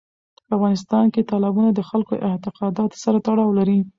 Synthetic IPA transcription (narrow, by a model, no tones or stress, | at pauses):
pəafɣɑnɪst̪ɑnket̪ɑlɪbunad̪əxalko̰ʔɪht̪ɪqɑd̪ɑt̪saɾat̪aɽɑwlaɾi